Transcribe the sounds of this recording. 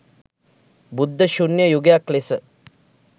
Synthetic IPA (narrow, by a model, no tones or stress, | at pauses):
bud̪ʱːəʃunjəjuɡjaklesə